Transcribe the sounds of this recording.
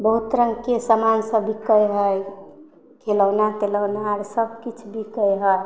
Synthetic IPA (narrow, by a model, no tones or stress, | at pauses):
bəɦut̪ɾəŋɡkesəmansəbʱikəjɦəj | kʰeləwnat̪eləwnaaɾsəbʱkit͡ʃʰbʱikəjɦəj